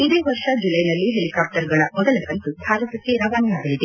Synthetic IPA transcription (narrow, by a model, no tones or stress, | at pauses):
id̪eːʋɐɾʂɐd͡ʒulɐjnɐlːiɦelikaːp̚ʈɐɾɡɐɭɐmɔd̪ɐlɐkɐnt̪ubʱaːɾɐt̪ɐk̪ːiɾɐʋaːnijaːɡɐlid̪e